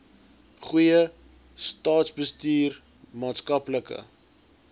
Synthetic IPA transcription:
χujə | stɑːtsbəstiːr | mɑːtskɐpləkə̰

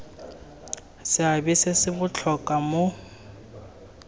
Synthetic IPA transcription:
sɪabɪsɪsɪbʊt͡ɬʰɔkʼamo

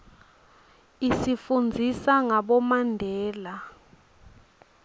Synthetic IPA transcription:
isifund͡zʱisaŋaɓɔmandʱɛːla

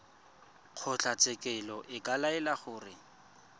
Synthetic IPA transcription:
q͡χʰʊt͡ɬat͡sʼɛkʼɛlɔʔɪkʼalaɛlaχʊːrɪ

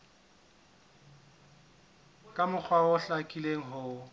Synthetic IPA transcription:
kʼamʊk͡xʰwaʊɬakʼileŋ̩ɦʊ

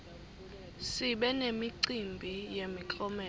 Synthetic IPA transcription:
siɓɛnemiǀimbʱijemikʼɔmɛ

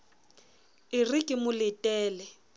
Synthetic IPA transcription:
ɪrikʼɪmʊlɪtʼɛːlɛ

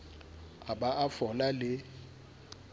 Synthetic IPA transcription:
aɓaʔafɔlalɪ

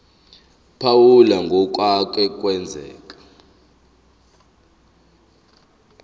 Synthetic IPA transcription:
pʰawulaŋɡʱɔk̬ʼwak̬ʼɛk̬ʼwɛnd͡zʱɛ̰ːk̬ʼḁ

